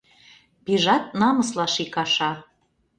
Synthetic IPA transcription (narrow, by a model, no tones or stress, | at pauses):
piʒɑt̪̚nɑmɤslɑʃikɑʃɑ